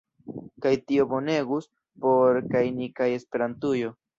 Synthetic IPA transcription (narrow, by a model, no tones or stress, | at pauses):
kajtio̞bo̞ne̞ɡus | po̞ɾkajnikaje̞spe̞ɾantujo̞